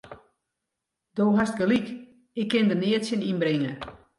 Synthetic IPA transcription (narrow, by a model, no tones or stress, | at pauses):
d̥oːɦast̚ɡəlik | ɪkʰːɪndənɪətsjəninbɾɪŋə